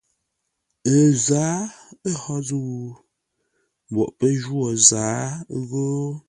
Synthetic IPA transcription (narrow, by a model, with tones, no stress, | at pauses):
ə˨zaː˨˦ə˦hɔ˦zə˦wu˨ | m˨bɔ̰˨ʔpə˦d͡ʒwo˨zaː˨˦ɣoː˦